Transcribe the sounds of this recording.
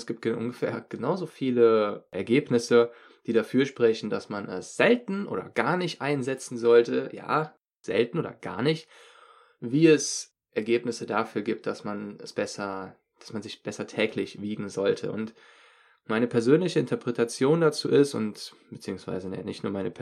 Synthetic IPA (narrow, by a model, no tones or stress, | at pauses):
sɡ̥iːp̚t̚ɡ̥əʔʊ̰nɡəfɛ̰ːɐɡ̥ənaʊzoːfiːləʔɛɐɡeːpnɪsə | d̥iːɾafyːɐʃpʁ̥ɛçn̩dasmanɛsz̥ɛltn̩ʔo̰ːɾɐ̰ɡ̥aːɐnɪçtʔaɪnzɛt͡sn̩zɔltʰəja̰ː | z̥ɛ̰ltn̩ʔoːdɐ̰ɡ̥a̰ːɐnɪçt | viːɛs | ʔɛɐɡeːpnɪsədafyːɐɡiːp̚t̚d̥asmanɛsb̥ɛsɐ | d̥ḁsmanzɪçb̥ɛsɐtʰɛːklɪçv̥iːɡŋ̩zɔltʰə̰ʔʊnt | maɪnəpʰɛɐzøːnlɪçəɪntɐpʁ̥ɛtat͡sjoːndat͡sṵːʔɪstʊ̰ntb̥ət͡siːʊŋsv̥a̰ɪzənanɪçtnuːɐmaɪnəpʰ